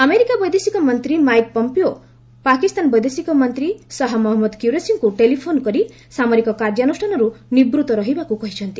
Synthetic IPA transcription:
ʌmeɾikabʌjd̪esikɔmʌnt̪ɾimajk̚pɔmpio | pakist̪anbʌjd̪esikɔmʌnt̪ɾisʌɦamɔɦmɔd̪kjuɾesiŋkuʈelipʰonkʌɾi | samɔɾikɔkaɾd͡ʒjanusʈʰanɔɾunibɾut̪ɔɾʌɦibakukʌɦit͡ʃʰʌnt̪i̥

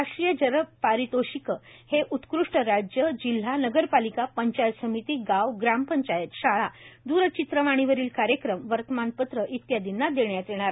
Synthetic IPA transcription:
aʂʈɾijəd͡ʑəɾəpaɾit̪oɕikəheʔut̪kɾuʂʈəɾad͡ʑjəd͡ʑil̤ːanəɡəɾpalikapəɲt͡ɕajt̪səmit̪iːɡawɡɾampəɲt͡ɕajət̪ɕaɭad̪uɾət͡ɕit̪ɾəʋaɽ̃iʋəɾiːlkaɾjəkɾəmʋəɾt̪əmanpət̪ɾəʔit̪jad̪inːad̪eɳjat̪jeɽ̃aɾa

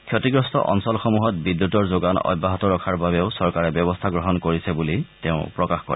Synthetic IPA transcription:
kʰjɔtiɡɹɔstɔ̰ʔɔ̰nsɔlxɔmuɦɔt̚bidːutɔɹzoɡanɔ̰jbːaɦɔtɔɹɔkʰaɹbabɛʊsɔɹkaɹɛbjɔbɔstʰaɡɹɔɦɔnkoɹisɛbuliteʊ̃pɹɔkaxkɔ̰ɹɛ̰

